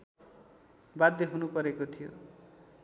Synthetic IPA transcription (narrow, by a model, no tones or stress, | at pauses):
bad̪ːeɦunupʌɾekot̪ʰijo̰